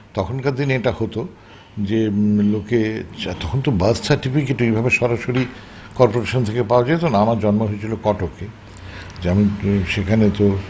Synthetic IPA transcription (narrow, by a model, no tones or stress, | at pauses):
t̪ɔkʰonkad̪ineʈahot̪o | d͡ʑelokeat̪ɔkʰont̪obɐssʰaɾʈifikeʈuejbʱabeʃɔɾaʃoɾi | kɔɾpoɾaʃont̪ʰekepaoad͡ʑajet̪onaamaɾd͡ʑɔnmoɦoet͡ɕʰilokɔʈokːe | d͡ʑamiʃekʰanet̪o